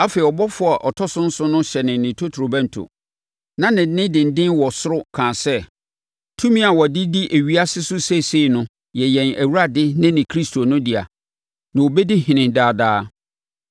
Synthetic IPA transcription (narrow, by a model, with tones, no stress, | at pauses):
a˦fe˨i˨ɔ˨bɔ˦fʊ˦a˨ʔɔ˨tʰɔ˦sʊ̃˦n̩˦sʊ˦nʊ̃˦ɕɛ˨nɪ̃˨nɪ̃˨tʰo˦tʰu˨ɾo˨bæ̃˦n̩˨tʰʊ̰˨ | nã˦nɪ̃˨˦nɪ̃˦dɪ̃˨n̩˨dɪ̃˦nwɔ˨sʊ˦ɾʊ˦kʰãː˨sɛ˦ | tʰũ˦mĩ˦a˨wɔ˨dɪ˦di˦ʔe˨ɥi˦a˦sɪ˦sʊ˦se˦˨se˦˨nʊ̃˦ | jɛ˨jɛ̃˨næ˨wu˦ɾa˦dɪ˦nɪ̃˦nɪ̃˨kʰɾi˦stʰo˨nʊ̃˦dɪ˨a̰˨ | nã˨wo˨bɛ˦dɪ˦ɦɪ̃˨nɪ̃˨daː˨daː˦